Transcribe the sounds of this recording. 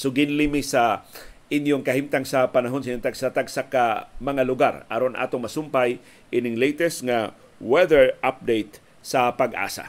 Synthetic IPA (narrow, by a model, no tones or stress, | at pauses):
soɡɪnlimɪsɐʔɪnjoŋkɐhimt̪aŋsɐpɐnɐɦo̞nsɐiɲʊŋt̪aɡsat̪aɡsakamɐŋalʊɡa̰ɾɐ̰ɾonʔa̰ːt̪oŋmɐsʊmpaj | ʔɪnɪŋlejt̪ɛst̪ŋa | wɛðɛɹʔap̚d̪ejt̪ | sɐpɐɡʔa̰ːsa̰